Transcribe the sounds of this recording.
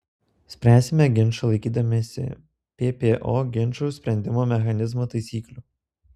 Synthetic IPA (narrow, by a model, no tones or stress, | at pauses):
sʲpʲɾʲæːsʲɪmʲɛɡʲɪnʲˑʃɐlˠɐɪkʲiːd̪ɐmʲesʲɪ̰ | pʲeːpʲeːʔoːɡʲɪnʲˑʃɐʊsʲpʲɾʲɛnʲd̪ʲɪmoːmʲɛxɐnʲɪzmoːt̪ɐɪsʲiːklʲuː